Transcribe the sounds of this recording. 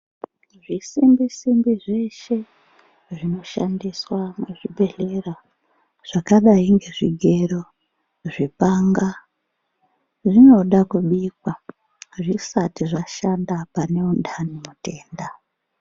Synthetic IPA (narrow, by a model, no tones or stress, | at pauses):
ʐisimbisimbiʐe̞ʃe̞ | ʐino̞ʃa̰ndiswamuʐibʱe̞ɮe̞ra | ʐ̥akaɗaiŋɡe̞ʐiɡʱe̞ɾo | ʐipaŋɡa | ʐino̞ɗakuɓiːkwa | ʐisatiʐaʃandapane̞undʱanimute̞ːnda